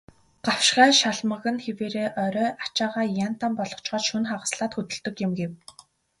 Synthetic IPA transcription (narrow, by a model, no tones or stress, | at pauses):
ɢ̥aw̥ʃɢæːʃaɮmə̆ɣə̆nxeweːɾeːʔœɾœːʔat͡ɕaːʁaːjan̥t̪ampɔɮɞ̥̆t͡ɕɢɔːt͡ɕʃunχaʁə̆sɮaːt̪xɵt̪ɵ̆ɮt̪ɵ̆kjɪ̆mɡew